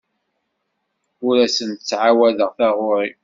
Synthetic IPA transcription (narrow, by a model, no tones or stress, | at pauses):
ʊɾæsənt̪ət͡sːʕawæðəʁθæʁʊɾˤi